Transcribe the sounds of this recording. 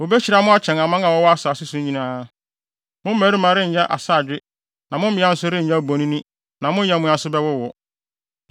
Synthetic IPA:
wo˨bɛ˦t͡ɕʰi˨ɾa˨˦mʊ̃˦a˦t͡ɕʰɛ̃˨ŋã˨mã˦ŋã˨wɔ˦wɔ˦a˦sa˨sʊ˦sũ˦ɲĩ˦nãː˦ | mʊ̃˦m̩˦mæː˨˦ɾi˦mã˨˦ɾɪ˦˨ɲɛ̃˦ʔa̰˨saː˦˨d͡ʑᶣɪ˦ | nã˨mʊ̃˦m˦mɪ̃˨˦a˦n̩˦sʊ˦ɾɪ˦ɲ̩˨ã˦˨bo˨nĩ˦nĩ˦ | nã˨mʊ̃˦ɲɛ̃˨mʊ̃˦ã˨˦˨sʊ˦bɛ˦wʊ˦wɔ˨

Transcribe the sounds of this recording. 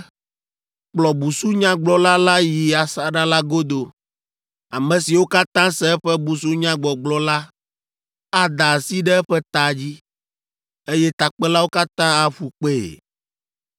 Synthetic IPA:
k͡plɔ˨bu˨su˦ɲã˦ɡ͡blɔ˨la˦la˦ji˨a˨sa˨ɖa˦la˦ɡo˦d̪o˨ | a˨mɛ̃˨si˨wo˦ka˦t̪ã˦sɛ˦ɛ˦ɸɛ˦bu˨s̬u˦ɲã˦ɡ͡bɔ˨ɡ͡blɔ˨la˦ | a˦d̪a˨si˦ɖɛ˦ɛ˦ɸɛ˦t̪a˨d͡ʑi˦ | e˦jɛ˦t̪a˨k͡pɛ˦la˦wo˦ka˦t̪ã˦a˨ɸu˨k͡pḛ˦˨

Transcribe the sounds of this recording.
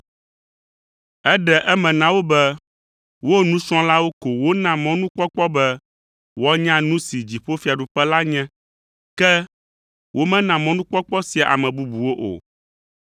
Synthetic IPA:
ɛ˦ɖɛ˨ʔɛ˦mɛ̃˨nã˨wo˦bɛ˦ | wo˦nũ˦sɔ̃˦la˦wo˦ko˨wo˦nã˨mɔ̃˦nũ˦k͡pɔ˦k͡pɔ˦bɛ˦ | wɔ˦ɲã˦nũ˦si˨d͡ʑi˨ɸo˦fi˨˦a˨ɖu˨ɸɛ˦la˦ɲɛ̃˦ | kɛ˦ | wʔo˦mɛ̃˦nã˨mɔ̃˦nũ˦k͡pɔ˦k͡pɔ˦si˨a˨ʔa̰˨mɛ̃˨bu˦bu˨wo˦ʔo̰˨

